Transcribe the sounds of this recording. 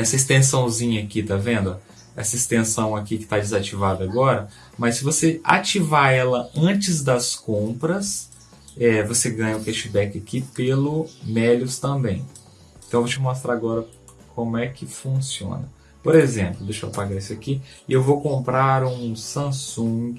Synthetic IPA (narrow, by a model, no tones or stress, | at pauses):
ɛsɐɪst̪ẽsɐ̃w̃zĩɲɐːkit̪avẽnd̪ʊa | ɛ̰sɐɪst̪ẽsɐ̃w̃akikɪ̥t̪ad͡ʒɪzat͡ʃivad̪ɐaɡɔɾɐ | mɐsːɪvosea̰t͡ʃivaɾɛlɐɐ̃t͡ʃɪzd̪ɐskõpɾɐs | ɛvoseɡɐ̃ɲɐʊfɛʃibɛkɪakipelʊmɛlʊst̪ɐ̃bẽj̃ | ẽt̪ɐ̃w̃vot͡ʃɪmost̪ɾaɾaɡɔɾɐ | kʰõmʊɛkɪfũsiõ̰nɐ | poɾezẽmplʊd̪eʃpaɡaɾisʊakiɪewvowkõmpɾaɾũsɐ̃sũɡɪ